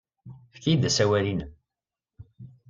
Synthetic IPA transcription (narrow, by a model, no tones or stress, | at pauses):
fkid̪æsæwælin